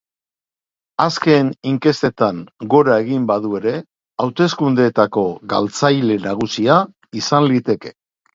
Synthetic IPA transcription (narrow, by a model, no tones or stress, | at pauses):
aske̞niŋke̞st̪e̞t̪aŋɡo̞ɾae̞ɣimbaðue̞ɾe̞ | awt̪e̞skund̪eet̪ako̞ɣa̰lt͡sajle̞naɣ̞usia | isanlit̪e̞ke̞̥